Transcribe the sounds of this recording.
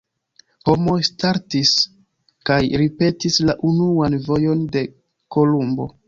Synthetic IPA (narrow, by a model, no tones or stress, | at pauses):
ho̞mo̞jstaɾtis | kajɾipe̞tislaʔunuanvo̞jo̞nde̞ | ko̞lumbo̞̰